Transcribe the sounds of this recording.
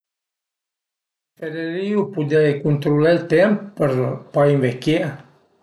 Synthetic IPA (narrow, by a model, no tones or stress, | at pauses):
feɾeɾiupud̪ekunt̪ɾulalt̪emppəɾpaiɱvekea